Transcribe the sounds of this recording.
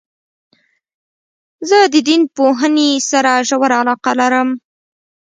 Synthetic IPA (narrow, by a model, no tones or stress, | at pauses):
zəd̪əd̪inpoɦənesaɾaʒawaɾaalɑqalaɾəm